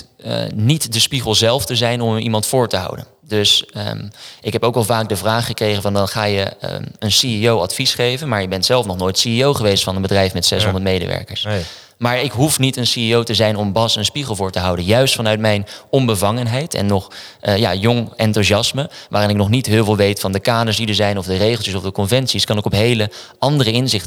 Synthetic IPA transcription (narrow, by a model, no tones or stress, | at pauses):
nitdəspiχəlˠzɛlˠftəzɛjnɔmḭmɑntfʊːɹtəɦɑ̰wdə̰n | dɵs | ʔɪkɦɛpowkɑlˠvaːɡ̚dəvraːχːəkrejχənvɑndɑnχaːjə̰ənsiiowɑtfisχejvənmaːɹjəbɛntsɛlˠfnɔχnojtsiiowχəʋejstfɑnənbədrɛjfmɛtsɛ̰sɦɔndəɹtmejdə̰ʋɛ̰ɹkə̰ɹs | maːɹɪkɦufnitənsiiowtəzɛjnɔmbɑsənspiχəlˠvʊːɹtəɦɑwdənjœɥstfɑnœɥtmɛjnɔmbəvɑŋənɦɛjtʰɛ̰nːɔχ | ja̰ːjɔŋɛntuzɑsməʋaːrɪnɪk̚nɔχnitɦɪːlˠvɪlˠʋejtfɑndəkaːdəɹsdidəɹzɛjnɔvdərejχlˠtjəsɔvdəkɔnvɛntsiskɑnɪkɔpɦejləʔɑndərəɪnzɪχt